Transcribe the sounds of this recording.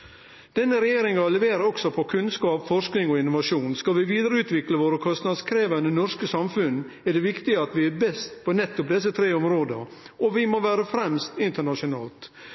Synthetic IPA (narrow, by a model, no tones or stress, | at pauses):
d̪̥ɛnːəɾɛjeːɾɪŋɑlɛʋeːɾəɾɔksɔpʰɔkʰʉnskɑːpfɔʂknɪŋɔɪnʊʋɑʂuːnskɑlʋɪʋiːd̪əɾəʉːt̪ʋɪkləʋoːɾəkʰɔst̪nɑd̪skʰɾeːʋənənɔʂkəsɑmfʉnː | ɛɖɛʋɪkt̪ɪəɑt̪ʋɪɛbɛst̪pʰɔnɛt̪ːʊpd̪ɛs̬ət̪ʰɾeːɔmɾoːd̪ə̰ | ɔʋɪmoʋæːɾəfɾɛmst̪ɪnt̪əɳɑʂʊnɑːlt̪